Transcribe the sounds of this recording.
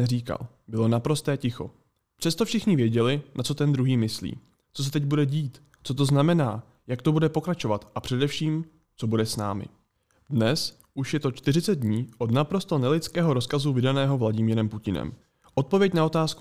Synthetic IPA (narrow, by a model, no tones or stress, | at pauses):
ɛriːka̰l | bɪlo̞napɾo̞st̪ɛːcɪxo̞̰ | pr̥ɛst̪ofʃɪxɲɪvjɛɟɛlɪnʔat͡so̞t̪ɛnd̪ɾuɦiːmɪslḭː | t͡so̞s̬ɛt̪ɛɟ̚budɛɟiːt̪ | t͡so̞t̪o̞znamɛna̰ː | jak̚t̪o̞budɛpo̞kɾat͡ʃo̞vat̪ʔapr̥ɛdɛfʃiːm | t͡so̞budɛsna̰ːmɪ̰ | dnɛs | ʔuʃjɛt̪o̞t͡ʃt̪ɪrɪt͡sɛd̪̚dɲiːʔo̞d̪napɾo̞st̪onɛlɪt͡skɛːɦo̞ɾo̞skazuvɪdanɛːɦo̞vlaɟɪmiːɾɛmpucɪnɛ̰m | ʔo̞t̪̚po̞vjɛcnao̞t̪aːsku